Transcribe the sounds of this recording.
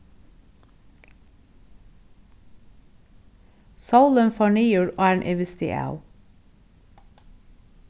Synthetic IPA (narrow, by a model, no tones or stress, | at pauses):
sɑʊlənfɔːɳiːjuːɾo̰ːæːɳʔɛʋɪst̪ɪ̰ʔɑ̰ʉ